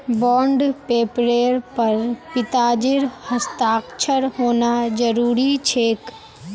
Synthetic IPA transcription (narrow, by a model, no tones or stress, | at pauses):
bɔːɳɖpeːpɾeːɾpɐɾpɪt̪aːd͡ʒɪɾhɐst̪aːkt͡ʃʰəɾɦoːnad͡ʒəɾuːɾit͡ʃʰeːk